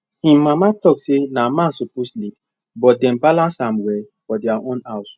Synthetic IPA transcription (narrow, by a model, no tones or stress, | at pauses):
hĩmãmatɔksenamãnsoposlik | bɔt̚dɛ̃mbalãnsãmwɛ | fɔdiaʔõnaws